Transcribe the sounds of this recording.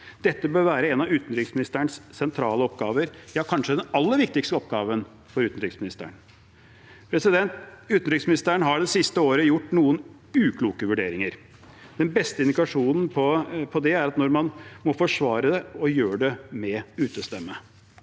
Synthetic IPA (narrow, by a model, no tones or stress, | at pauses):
d̪̥ɛt̪ːəbøːɾʋæːɾəɛnɑʉːt̪n̩ɾɪksmɪnɪst̪əɳssɛnt̪ʰɾɑːləɔpɡɑːʋəɾjɑːkʰɑnʂəd̪ɛnɑlːəɾʋɪk̚t̪ɪkst̪əɔpɡɑːʋən | fɔɾʉːt̪n̩ɾɪksmɪnɪst̪ə̰ɳ | pʰɾɛsɪd̪ɛnt̪ʉːt̪n̩ɾɪksmɪnɪst̪əɳɦɑɖɛsɪst̪əoːɾəjʊʈːnuːən | ʉːkʰluːkəʋʉɖḛːɾɪŋəɾ | d̪̥ɛnbɛst̪əɪnd̪ɪkɑʂuːnn̩pʰɔpʰɔd̪ɛæɾɑt̪nɔɾmɑnmɔfɔʂʋɑːɾəd̪ɛɔjøːɖɛmɛʉːt̪əst̪ɛmːə